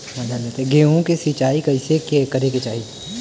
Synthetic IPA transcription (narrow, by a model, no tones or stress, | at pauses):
mɐd͡ʒalet̪eɡeːõkesit͡ʃaːikɐɪsekekɐɾeket͡ʃaːɦi